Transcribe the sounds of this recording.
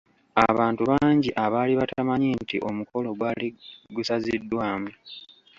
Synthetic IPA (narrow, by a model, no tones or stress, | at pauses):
aβaːntuβaːɲɟiʔaβaːliβatamaɲintiʔo̞muko̞lo̞ɡwaːliɡusazidːwaːmwe